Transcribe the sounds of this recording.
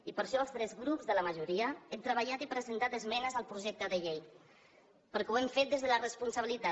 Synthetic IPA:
ipəɾʃɔlˠst̪ɾɛzɣɾupzðələməʒuɾiəɛmt̪ɾəβ̞əʎat̪ipɾəzənt̪at̪əzmɛnəzəlˠpɾuʒɛk̚t̪əðəʎej | pəɾkweɱfet̪d̪ezðələrəspunsəβilit̪a

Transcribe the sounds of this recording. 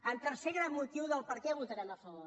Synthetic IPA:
ənt̪əɾseɣɾamːut̪iwðəlˠpəɾkɛβut̪əɾanəfəβɔ

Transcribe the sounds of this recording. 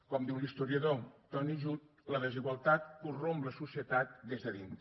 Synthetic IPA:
kɔmd̪iwlist̪uɾiəðot̪ɔniʒut̪ | ləðəziɣwəlˠt̪at̪̚kurombləsusiət̪at̪̚d̪ezðəðint̪

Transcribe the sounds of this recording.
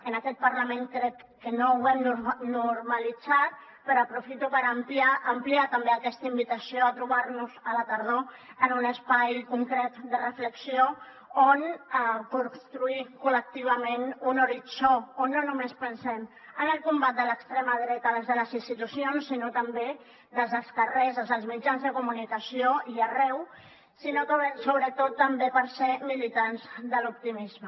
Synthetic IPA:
ənəkɛt̪̚pəɾləmeŋkɾɛkːənouβɛmnunuɾməlid͡zat̪̚ | pəɾəpɾufit̪upəɾəmpliaəmpliat̪əmbeəkɛst̪əimbit̪əsioət̪ɾuβ̞aɾnuzələt̪əɾðo | ənunəspajkuŋkɾɛt̪d̪ərəfləksio | onəkunst̪ɾuikulək̚t̪iβ̞əmenunuɾit͡soonːonumespənsɛm | ənəlˠkumbat̪̚d̪ələkst̪ɾeməðɾɛt̪ələzðələzinst̪it̪usionsːinot̪əmbe | ðəlˠzðəskərɛzəzəlˠzmid͡ʒanzðəkumunikəsioiərɛw | sinoksoβɾət̪ot̪ːəmbepəɾsemilit̪anzðəlup̚t̪imizmə

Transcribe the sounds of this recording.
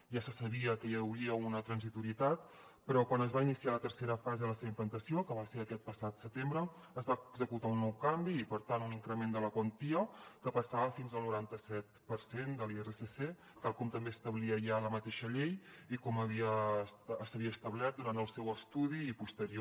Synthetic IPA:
ʒasəsəβiəkəjəwɾiəunət̪ɾənzit̪uɾiət̪at̪ | pəɾɔkwanəzβainisialət̪əɾseɾəfazeəðələseβimplənt̪əsiokəβaseɾəkɛt̪̚pəsat̪sət̪embɾəː | zβaɡzəkut̪aunːɔwkambiːpəɾt̪anuniŋkɾəmend̪ələkwənt̪iəkəpəsaβəfinzəlˠnuɾant̪əsɛt̪pəɾsend̪əlˠierəsese | t̪alˠkɔmt̪əmbeəst̪əβliəʒaləmət̪eʃəʎejikɔməβiəː | st̪əβiəst̪əβlɛt̪̚d̪uɾant̪əlˠsɛwəst̪uðiːpust̪əɾio

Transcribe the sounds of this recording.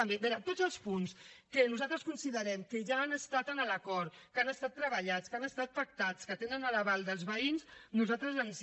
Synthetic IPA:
əmbeβɛɾət̪od͡zəlˠspunskənuzalˠt̪ɾəskunsiðəɾɛmkəʒaːnəst̪at̪ənələkɔɾkanəst̪at̪ːɾəβəʎat͡skanəst̪at̪fək̚t̪at͡skət̪enənələβalˠd̪əlˠzβəinsnuzalt̪ɾəzəns

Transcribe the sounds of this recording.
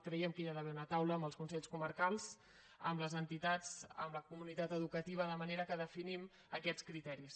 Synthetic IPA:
kɾjɛmkiʒaðəβɛunət̪awləːmbəlˠskunsɛʎskuməɾkalˠz̥ | əmləzənt̪it̪ad͡zə̰mləkumunit̪at̪əðukət̪iβ̞əðəməneɾəkəðəfinim | əkɛt͡skɾit̪ɛɾis

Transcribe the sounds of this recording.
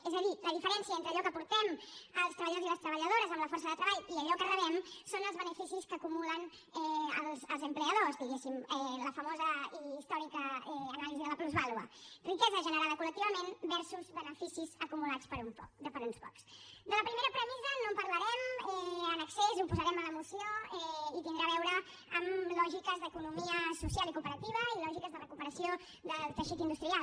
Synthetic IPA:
ezəðiləðifəɾɛnsiəent̪ɾəːʎɔkəpuɾt̪ɛməlˠst̪ɾəβʎəðoziləst̪ɾəβəʎəðoɾəzəmləfɔɾsəðət̪ɾəβaʎiəʎɔkərəβɛmsonəlˠzβənəfisiskəːkumulən | ɛəlˠzəlˠzəmpleəðozd̪iɣesimɛləfəmozəiːst̪ɔɾikəɛːnaliziðələpluzβalˠuə̰rikɛzəʒənəɾaðəkulək̚t̪iβəmenbɛɾsuzβənəfisizəkumulat͡spəɾumpɔ̰k̚d̪əpəɾunspɔ̰ksd̪ələpɾimeɾəpɾəmizənompəɾləɾɛmɛənəksezupuzəɾɛmələmusioɛiβind̪ɾaβɛwɾəː | mlɔʒikəzðəkunumiəsusjalikupəɾət̪iβ̞əilɔʒikəzðərəkupəɾəsijo | d̪əlˠt̪əʃit̪ind̪ust̪ɾial

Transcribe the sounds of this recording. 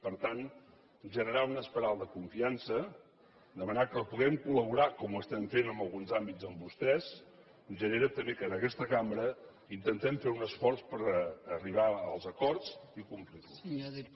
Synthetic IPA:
pəɾt̪an | ʒənəɾaunəspəɾalˠd̪əkuɱfiansə | d̪əmənakəlˠpuɣɛmkuləβuɾakɔmuəst̪ɛmfenəmbəlˠɣunzambid͡zəmbust̪ɛz | ʒəneɾət̪əmbekənəkɛst̪əkambɾə | int̪ənt̪ɛmfeunəsfɔɾspəɾəriβ̞aəlˠzəkɔɾzikumpliru

